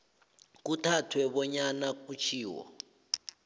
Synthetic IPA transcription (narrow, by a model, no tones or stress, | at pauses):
k̬utʰatʰwɛβɔɲanak̬ut͡ʃʰiːwɔ̰